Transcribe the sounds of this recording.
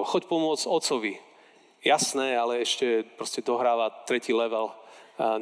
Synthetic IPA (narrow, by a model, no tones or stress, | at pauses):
xɔcpɔmʊɔd͡zɔt̪t͡sɔʋi | jasnɛːalɛɛʃcɛpɾɔscɛd̪ɔɦɾaːʋat̪ɾɛciːlɛʋɛl